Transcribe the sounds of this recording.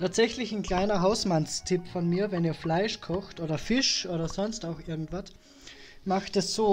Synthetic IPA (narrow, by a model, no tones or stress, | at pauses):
tʰaːtz̥ɛçlɪçnkl̥aɪnɐɦaʊsmanstʰɪpfɔnmiːɐvɛniːɐflaɪʃkʰɔxtʔoːdɐfɪʃʔoːɾɐzɔnstaʊxʔɪɐɡŋ̩tv̥at | maxtɛsz̥oː